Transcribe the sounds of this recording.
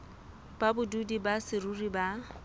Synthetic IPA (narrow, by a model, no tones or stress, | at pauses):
babʊdudibasɪruriba